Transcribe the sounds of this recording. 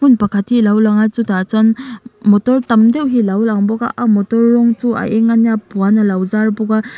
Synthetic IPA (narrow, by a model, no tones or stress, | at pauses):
hunpakʰatʰilawlaŋat͡ʃutat͡ʃanmɔtɔɾtɐmdewɦilawlaŋbɔɡa̰ʔamɔtɔɾːɔŋtua̰jʔeŋanjapuanɐlawzaɾbɔɡa